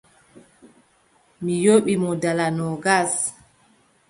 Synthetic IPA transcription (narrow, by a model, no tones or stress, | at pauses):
mijoɓimɔdalanɔɡas